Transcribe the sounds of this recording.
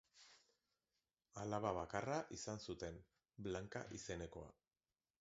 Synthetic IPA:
alaβaβakaraʔisansut̪e̞n | blaŋka̰ʔise̞ne̞ko̞a̰

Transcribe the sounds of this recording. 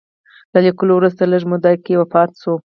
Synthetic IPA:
lalikulowɾuzt̪aləʒmʊd̪ɑjkejwapɑɾt̪so

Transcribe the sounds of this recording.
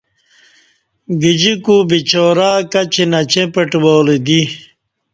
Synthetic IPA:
ɡid͡ʑikubit͡ɕoːɾaːkɐt͡ɕenɐt͡ɕẽpeʈboːled̪i

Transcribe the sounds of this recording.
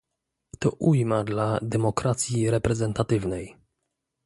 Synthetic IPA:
t̪ɔʔujmad̪lad̪ɛmɔkɾat̪sʲjiɾɛpɾɛzɛnt̪at̪ɘvnɛj

